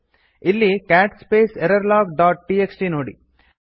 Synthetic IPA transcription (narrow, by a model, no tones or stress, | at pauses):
ɪlːikaːʈspeːseɾɐɾlaːkɖaːʈ̚ʈiːeksʈinoːɽḭ